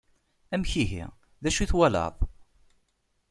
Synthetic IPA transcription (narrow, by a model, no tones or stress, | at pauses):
æmçiɦḭʁ | ðæʃuθwælɑ̰ðˤ